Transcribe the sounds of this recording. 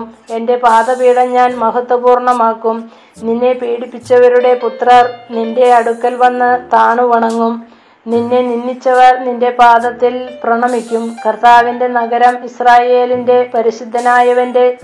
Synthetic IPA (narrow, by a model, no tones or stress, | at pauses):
me̞nde̞paːd̪ɐbiːɽɐɲaːnmɐɦɐt̪ːwɐbuːrɳɐmaːkːum | ninːe̞piːɽipːit͡ɕːɐʋɐɾuɽe̞put̪rɐrninde̞ɐɽukːɐlʋɐnːɐt̪aːɳuʋɐɳɐŋːum | ninːeninːit͡ɕːɐʋɐrninde̞paːd̪ɐt̪ːilprɐɳɐmikʲːumkɐrt̪aːʋinde̞nɐɡɐɾɐmisraːje̞ːlinde̞pɐɾiɕid̪ʱːɐnaːjɐʋɐnde̞